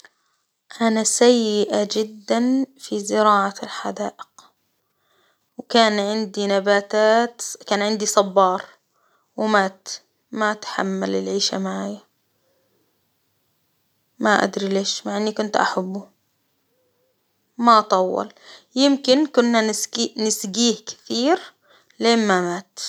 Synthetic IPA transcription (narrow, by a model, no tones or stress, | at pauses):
ʔanasajːɪʔad͡ʒɪd̪ːanfizɪɾɑːʕalħad̪aːʔɪq | wkaːnʕɪnd̪inabaːt̪aːt̪kaːnʕɪnd̪isˤɑbːɑːɾˤ | wɪmat | maʔt̪ħa̰mːalɪlʕiːʃa̰maʕaːja | maʔa̰d̪ɾileːʃmaʕɪnːikʊnt̪ʔa̰ħabːu | maʔɑt̪ˤɑwːɑ̰ljɪmkɪnkʊnːainɪsɡiːhkɪ̥θiːɾ | leːmmamaːt̪